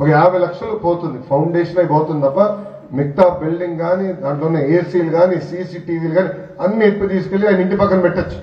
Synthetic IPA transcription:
okɐjaːbʱɐjlɐkʂɐlupoːt̪und̪ipʰɐwɳɖeːʂɐnɐjpoːt̪und̪it̪ɐpːɐ | mik̚t̪aːbilɖiŋɡɡaːnid̪aːɳʈloːunːeeːsiːluɡaːnisisiːʈiːd̪iːluɡaːni | ɐnːiet̪ːut̪iːsu̥kelːiaːjnɐiɳʈipɐkːɐnpɛʈːɐt͡ʃːu̥

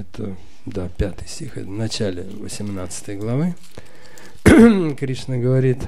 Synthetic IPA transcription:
ɛt̪ə | d̪apʲat̪ɨjsʲtʲixɛ̰t̪əvnɐt͡ɕælʲɪ̰vəsʲɪmnat̪sɨ̥t̪əjɡlˠɐvɨ | kɾʲiʂnəɡəvɐɾʲit̪

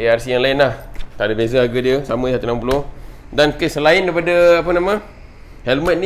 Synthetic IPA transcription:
earsijaŋlaɪnlaht̪aʔdabezəɦaɡədiəsamə̃sat̪unampuloh | dankəsəlaɪndaɾipadəapənamə̃ | hɛlmə̃t̪̚ni

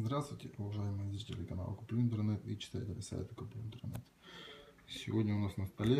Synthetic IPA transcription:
zd̪ɾast̪vʊjtʲɪʊvɐʐajɪmɨjəzɾʲitʲɪlʲɪkɐna̰lˠəkʊplʲuɪnt̪ərnɛt̪it͡ɕɪ̥t̪ajɪt̪ət̪ʲəsa̰jɪ̰t̪ɪkʊplʲuɪnt̪ərnɛ̰t̪ | sʲɪ̰vodʲnʲəʊnasnəst̪ɐlʲe

